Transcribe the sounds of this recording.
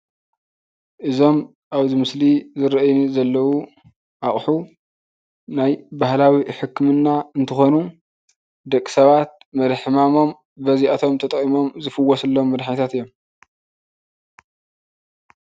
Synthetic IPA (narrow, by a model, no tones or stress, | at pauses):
ʔɨzo̞m | ʔaβzɨmɨslizɨɾɐʔjnzɐlːɐwu | ʔaχʼħu | najbahlawiħɨkːmɨnːaɨnt̪ʰɨxo̞nu | d̪ɐkʼːi̥sɐβat̪̚ | mɐd̪ħɨmamo̞m | bɐziʔat̪ʰo̞mt̪ʰɐt̪ʼχʼimo̞mzɨfɨwːosɨlːo̞mːɐd̪ħaɲt̪ʰat̪ɨjːom